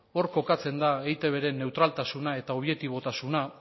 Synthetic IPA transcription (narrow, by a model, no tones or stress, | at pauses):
o̞ɾko̞kat͡se̞nd̪aejt̪e̞β̞e̞ɾe̞nːe̞wt̪ɾalt̪asunae̞t̪ao̞β̞jek̚t̪iβo̞t̪asuna